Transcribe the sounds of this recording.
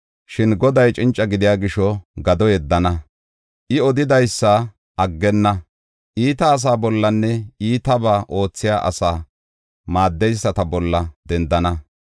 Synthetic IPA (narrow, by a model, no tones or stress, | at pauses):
ʃɪnɡɔd̪ɐjt͡ʃʼɪnt͡ʃʼːɐɡɪd̪ɪjaːɡɪʃɔɡɐd̪ɔjɛd̪ːɐnɐ | ʔɪɔd̪ɪd̪ɐjsːɐ | ɐɡːɛnːɐ | ʔiːt̪ɐːs̬aːbɔlːɐnːɛiːt̪ɐbaːʔo̞ːt͡sːɪjaːʔɐ̰saː | maːd̪ːɛjsːɐt̪ɐbɔlːɐd̪ɛnd̪ɐnɐ